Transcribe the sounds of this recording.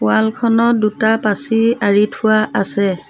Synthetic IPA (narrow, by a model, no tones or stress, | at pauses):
pʊalkʰɔnɔdutapasiaɹitʰʊwaʔasɛ